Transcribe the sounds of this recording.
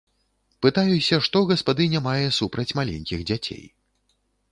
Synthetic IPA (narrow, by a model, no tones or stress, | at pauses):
pɨt̪ajusʲɐʂt̪ɔɣɐspad̪ɨnʲamajɛsupɾɐt͡sʲmalʲḛnʲkʲiɣd͡zʲat͡sʲḛj